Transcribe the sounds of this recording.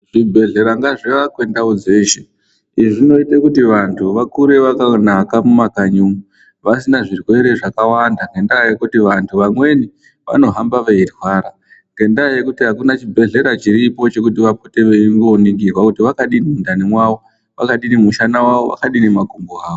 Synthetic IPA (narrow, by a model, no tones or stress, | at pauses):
ʐ̥ibʱe̞ɮe̞ɾaŋɡaʐiʋakwe̞ndaud͡ze̞ːʃe | iʐino̞itekutiʋantʰuʋakuɾe̞ʋakanakamumakaɲumu | ʋasinaʐirwe̞ɾe̞ʐakawandaŋɡe̞ndaaje̞kutiʋantʰuʋamwe̞ni | ʋa̰no̞ɦambaʋeirwaːɾa | ŋɡe̞ndajekutiɦakunat͡ʃibʱe̞ɮe̞ɾat͡ʃiɾipo̞t͡ʃe̞kutiʋapute̞ʋeiŋɡonikirwakutiʋakaɗinimundanimwaʋo | ʋakaɗinimuʃanawaʋo̞ʋa̰kaɗinemakumboɦaːʋo